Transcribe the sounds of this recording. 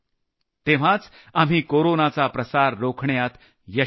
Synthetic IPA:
t̪eʋ̤at͡s | am̤iːkoɾonat͡sapɾəsaɾːokʰɳjat̪ | jə

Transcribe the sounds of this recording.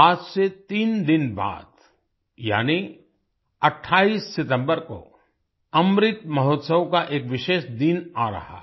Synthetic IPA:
aːd͡ʒset̪iːnd̪ɪnba̰ːd̪ | ja̰ːni | ɐʈʰːaːiːsːɪt̪ə̃mbəɾko̰ | ɐmɾɪt̪mɐɦoːt̪səwkaʔeːkʋɪʃeːʃd̪inaːɾɐ̰ɦa̰

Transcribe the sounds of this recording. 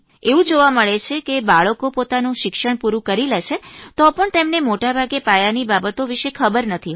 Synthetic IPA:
eʋũd͡ʒoʋaməɭet͡ʃʰekebaɭəkopot̪anũʃɪkʃəɳpuɾũkəɾileʃet̪ɔpəɳt̪emnemoʈabʱaɡepajanibabət̪oʋiʃekʰəbəɾnət̪ʰi

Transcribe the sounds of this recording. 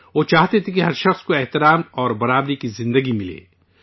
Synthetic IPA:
ʋoːt͡ʃaːɦt̪et̪ʰekiɦɐɾʃɐxskoɛɦt̪ɪɾaːmɔːɾbɐɾaːbɾikizɪ̃nd̪əɡimɪlḛː

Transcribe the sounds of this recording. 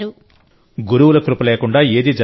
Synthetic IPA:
u | ɡuɾuʋulɐk̪ɾupɐleːkuɳɖaːe̞ːd̪id͡ʒɐ

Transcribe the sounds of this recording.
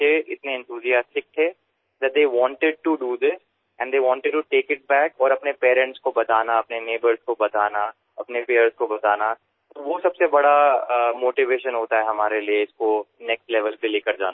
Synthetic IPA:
eɪt̪neɛ̃nt̪ʰuːzijaːsʈɪk̚t̪ʰɛː | d̪ɛʈ̚d̪eːʋɔ̃ːɳʈɪɖ̚ʈuɖuːd̪ɪs | ɛ̃ɳɖd̪eːʋɔ̃ːɳʈɪɖ̚ʈuʈeːkɪʈ̚bɛːkɔːɾɐpnepeːɾɛ̃ɳʈskobɐt̪aːnaɐpneneːbəɾzkobɐt̪aːna | ɐpnepeːəɾzkobɐt̪aːna | t̪oʋosɐbsebɐɽamoːʈiʋeːʃə̃nɦoːt̪aɦɛɦɐmaːɾelieɪskonɛksʈlɛʋəlkeleːkɐɾd͡ʒa̰ːna

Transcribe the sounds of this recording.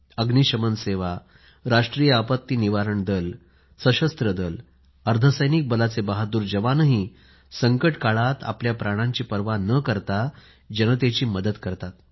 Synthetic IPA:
əɡniɕəmənseʋa | ɾaʂʈɾijəapət̪ːiːniʋaɾəɳd̪əl | səɕəst̪ɾəd̪əl | əɾt̪ʰəsəjnik̚bəlat͡sebaɦad̪uːɾd͡ʑəʋanəɦi | səŋkəʈkaɭat̪a̰pljapɾaɽ̃ãɲt͡ɕiːpəɾʋanəkəɾt̪a | d͡ʑənət̪̬et͡ɕiːməd̪əd̪kəɾt̪at̪

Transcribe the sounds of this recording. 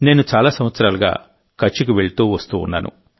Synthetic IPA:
ne̞ːnut͡ʃaːlaːsɐmʋɐt̪sɐɾaːlɐɡa̰ː | kɐt͡ʃːikiʋe̞ɭit̪uːʋɐst̪uːnːaːnṵ

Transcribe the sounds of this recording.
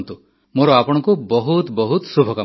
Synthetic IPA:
nt̪u | moɾɔapɔɽ̃ɔŋkubɔɦut̪bɔɦut̪subʱɔka

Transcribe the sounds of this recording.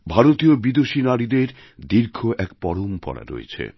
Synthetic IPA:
bʱaɾot̪iobid̪oʃinaɾid̪eɾ | d̪iɾkʰoʔɛkpɔɾompɔ̰ɽa̰ɾo̰jḛt͡ɕʰḛ

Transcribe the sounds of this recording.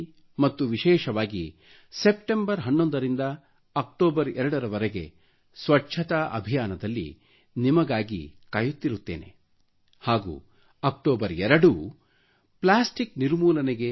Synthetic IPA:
mɐt̪ːuʋiʃɛːʃɐʋaːɡḭ | sepʈembɐɾɦɐnːond̪ɐɾind̪ɐ | ɐk̚ʈoːbɐɾɛɾɐɽɐɾɐʋɐɾeɡe̞̰ | sʋɐʈːt͡ʃʰɐt̪ɐʔɐ̰bʱijaːnɐd̪ɐlːḭ | nimɐɡaːɡḭkajut̪ːiɾut̪ːe̞̰ːne̞̰ | haːɡṵː | ɐk̚ʈoːbɐɾɛɾɐɽu | plaːsʈikniɾmuːlɐneɡe̞

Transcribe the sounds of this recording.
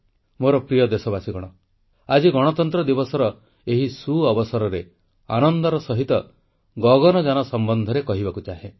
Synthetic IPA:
moɾɔpɾijɔd̪esɔbasiɡɔɽ̃ɔ | ad͡ʒiɡɔɽ̃ɔt̪ɔnt̪ɾɔd̪ibɔsɔɾɔ | eɦisuɔbɔsɔɾɔɾe | a̰nɔnd̪ɔɾɔsɔɦit̪ɔ | ɡɔɡɔnɔd͡ʒanɔsɔmbɔnd̪ʱɔɾekɔɦibakut͡ʃaɦe

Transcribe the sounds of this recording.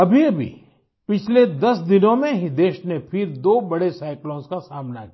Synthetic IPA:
ɐbʱiɐbʱḭ | pɪt͡ʃʰled̪ɐsd̪ɪnõmẽɦid̪eːʃnẽpʰɪɾd̪oːbɐɽesaːɪklɔ̃ːnskasaːmnakia

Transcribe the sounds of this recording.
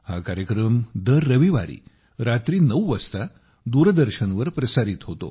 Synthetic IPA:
ha̰kaɾjəkɾəmd̪əɾːəʋiʋaɾḭː | ɾat̪ɾiːnəwʋəst̪a | d̪uɾd̪əɾɕənʋəɾpɾəsaɾit̪ɦot̪o̰

